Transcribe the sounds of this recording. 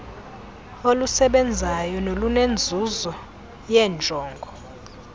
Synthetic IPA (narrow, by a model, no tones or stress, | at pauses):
olusɛɓɛnd͡zʱajɔnolunend͡zʱuzɔ | jɛːnd͡ʒʱɔːŋɡʱɔ